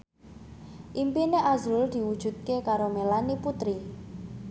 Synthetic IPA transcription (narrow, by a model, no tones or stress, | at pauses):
ʔimpineʔazɾuld̪̥i̤wud̥ʒ̥ṳt̪̚kekaɾomelaniput̪ɾi